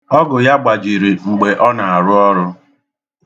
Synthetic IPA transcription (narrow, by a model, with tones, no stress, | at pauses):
ɔ˦ɡʊ˨ja˦ɡ͡ba˨d͡ʒi˨ɾi˨ŋ͡m̩˨ɡ͡be˨ʔɔ˦na˨a˨ɾʊ˦ɔ˦ɾʊ˦